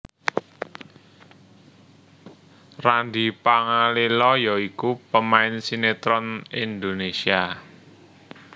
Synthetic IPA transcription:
rand̪ipaŋalilɔjɔikupəmaɪnsinet̪ɾɔnind̪onesia

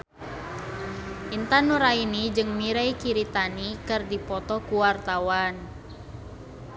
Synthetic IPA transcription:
ʔint̪anuɾainid͡ʒɨŋmiɾaikiɾit̪anikɨrdipɔt̪ɔkuwart̪awan

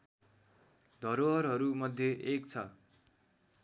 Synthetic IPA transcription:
d̪ʱʌɾoɦʌrɦʌɾumʌd̪ʱːjeʔek̚t͡sʰʌ

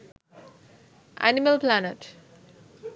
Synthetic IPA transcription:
ʔæ̰niməlplanəʈ

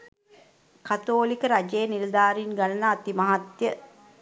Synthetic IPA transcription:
kat̪oːlikəɾad͡ʒejənild̪aːɾinɡanənəat̪imaɦat̪jə

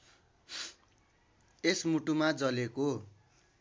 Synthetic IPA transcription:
esmuʈumad͡zʌleko

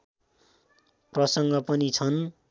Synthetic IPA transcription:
prʌsʌŋɡʌpʌnit͡sʰʌn

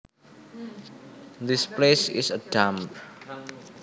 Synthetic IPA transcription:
d̪isplesɪ̰səɖ̥amp̚

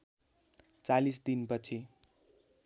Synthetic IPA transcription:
t͡salisd̪inpʌt͡sʰi

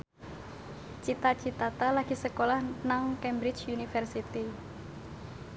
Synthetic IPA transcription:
t͡ʃit̪at͡ʃit̪at̪alaɡ̥isəkolahnaŋkɛmbɾɪt͡ʃunifɛrsit̪i

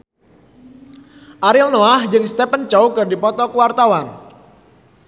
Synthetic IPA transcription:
ʔaɾɪlnoahd͡ʒɨŋst̪ɛpənt͡ʃowkɨrdipɔt̪ɔkuwart̪awan

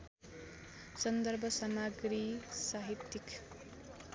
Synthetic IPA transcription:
sʌnd̪ʌrbʱʌsʌmaɡɾisaɦit̪ːik

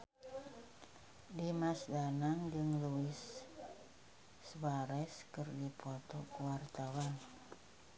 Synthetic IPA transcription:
dimasdanaŋd͡ʒəŋluɪs | waɾɛskɨrdipɔt̪ɔkuwart̪awan

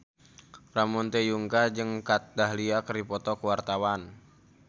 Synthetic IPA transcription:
ramɔnt̪ejuŋkad͡ʒɨŋkat̪̚daɦliakəripɔt̪ɔkəwart̪awan

